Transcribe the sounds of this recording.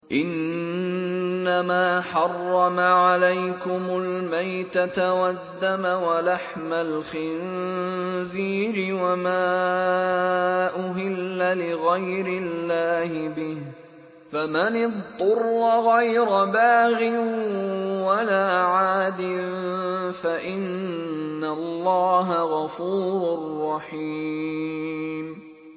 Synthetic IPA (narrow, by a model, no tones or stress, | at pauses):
ʔɪn | amaːħɑrˤːɑmaʕalajkʊmʊlmajt̪at̪wad̪ːamawalaħmalxɪn | ziːɾɪwamaː | ʔʊɦɪlːalɪɣajɾɪlːaːhɪbɪh | famanɪðˤːʊrːɑɣajɾabaːɣɪnwalaːʕaːd̪ɪnfaʔɪnː | alːɑːɦaɣɑfuːɾʊrˤːɑħiː | m